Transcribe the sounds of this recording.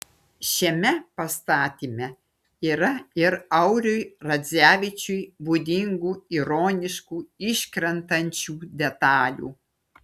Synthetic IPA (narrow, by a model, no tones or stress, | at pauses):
ʃʲɛmʲɛpɐst̪ɑːt̪ʲiːmʲɛ | iːɾɐɪɾɐʊɾʲʊjɾɐzʲæːʋʲɪt͡ʃʲʊjbud̪ʲɪŋɡuːiɾoːnʲɪʃkuːɪʃʲkɾʲɛnt̪ɐnʲt͡ʃʲuːd̪ʲɛt̪ɑːlʲṵː